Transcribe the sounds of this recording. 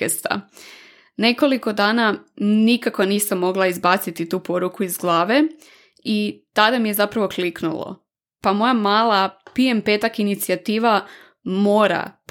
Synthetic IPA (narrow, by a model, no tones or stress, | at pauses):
est̪a̰ | ne̞ko̞liko̞d̪aːnanikakoniːsamːo̞ɡlˠaizbat̪sit̪it̪uːpo̞ɾukuizɡlˠaːʋe̞ | it̪ad̪amije̞zapɾaʋo̞kliknṵlˠo̰ | pamo̞jamaːlˠapiempet̪akinit̪siat̪iːʋa | mo̞ːɾa̰p